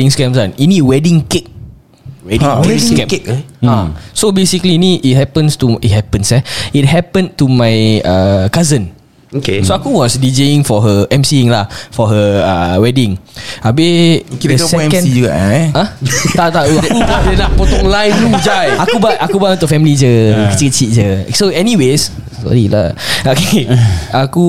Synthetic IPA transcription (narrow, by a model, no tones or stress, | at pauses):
ĩŋskɛmsaninĩwɛdĩŋkek̚ | wɛdĩskɛ̃mkkasobesikliːniʔːt̚hɛpə̃nst̪uit̚ɦɛpə̃nsɛit̚ɦɛpə̃ntumajəkazə̃n | oesoakuwɔsdid͡ʒeĩŋfɔɦəɛ̃msiiŋlafɔɦəəwɛdĩŋabɪkitədəksɛɛkɛ̃sid͡ʒuɡa̰ʔɛãt̪at̪aauadənapɔt̪ɔklãjũmd͡ʒajakubatʔakubãt̪ufɛmlid͡ʒəkit͡ʃikət͡ʃit̚d͡ʒəsoɛniwes | sɔ̰ɾila̰akeʔaku